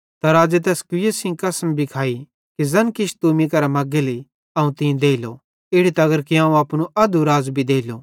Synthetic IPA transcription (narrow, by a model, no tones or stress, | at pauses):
t̪ɐɾaːd͡ʒet̪̬ɛːskʊjesɪ̃ŋkɐsmbʱikʰaːi | kizɐnkɪʃt̪umĩkɐɾamɐɡeli | ɐːũt̪ɪ̃d̪eːilo | ɪɽit̪ɐɡəɾkiɦãːũɐːpnuʔɐd̪uɾaːzbʱid̪eːilo